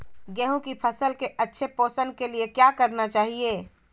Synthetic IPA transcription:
ɡɛɦũkipʰəsəlkeʔɐtːʃʰepoːsənkeliekjakəɾnat͡ʃaːɦieː

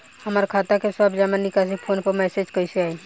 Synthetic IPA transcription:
həmaɾkʰaːt̪akesabd͡ʒamənːikas̬ipʰoːnpəɾmɛːsed͡ʒkəseaːi

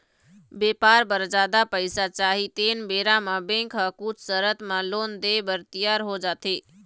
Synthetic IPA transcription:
beːpaːɾbəɾd͡ʒaːd̪apəɪsat͡ʃaːɦit̪eːnbeːɾamãbẽkʰɦəkʊt͡ʃʰsəɾət̪mãloːnd̪eːbəɾt̪ijaːɾɦod͡ʒaːt̪ʰeː

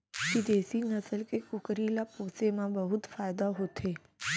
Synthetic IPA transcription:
kid̪eːsinɐsəlkekʊkəɾilapoːsemãbɐɦʊt̪faːɪd̪aɦot̪ʰeː

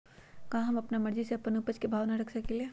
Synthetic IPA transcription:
kãɦɐmɐpnamɐɾd͡ʒiseɐpːɐnupət͡ʃkebʱaːʋnaɾɐkʰsɐkelie

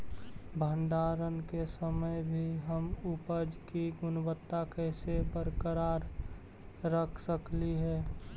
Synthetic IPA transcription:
bʱəɳɖaɾənkesəməjbʱiɦəmʊpəd͡ʒkiɡʊnbət̪ːakɛɪsebəɾkəɾaːɾ | ɾəkʰsəkliɦɛː

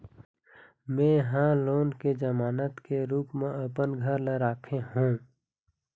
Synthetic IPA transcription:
mẽɦãloːnked͡ʒəmaːnət̪keɾuːpmẽəpənɡʱəɾleɾaːkʰeɦũ

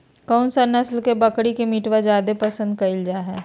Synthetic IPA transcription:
kɔːnsanɐslkebɐkɽikemiʈwad͡ʒjaːd̪epɐsə̃nd̪̚kɐɪld͡ʒaɦɛː

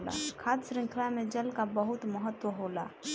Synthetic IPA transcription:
la̰kʰaːd̪sɾɪ̃ŋkʰlamẽd͡ʒəlkabəɦut̪məɦət̪wəɦola

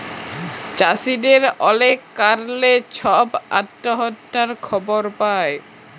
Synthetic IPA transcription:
t͡ɕasideɾɔlekːaɾlet͡ɕʰɔba̰ʈːoɦɔtːaɾkʰɔboɾpae

